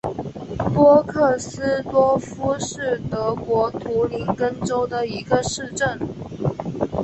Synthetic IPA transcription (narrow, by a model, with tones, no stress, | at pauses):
pwɔ˥kʰɤ˥˩sɹ̩˥t̪wɔ˥fu˥ʂɻ̩˥˩t̪ɤ˧˥kwɔ˧˥t̪ʰu˧˥li˧˥nkə˥nʈ͡ʂo˥ʊd̪ə˨i˧˥ɡə˧ʂɻ̩˥˧ʈ͡ʂə˥˩n